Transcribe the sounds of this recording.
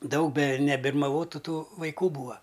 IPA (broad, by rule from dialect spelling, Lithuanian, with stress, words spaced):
ˈdɐʊk bʲɛ nʲɛbʲɪrmɐˈʋoːtʊ ˈtuː ʋɐɪˈkuː ˈbuːɐ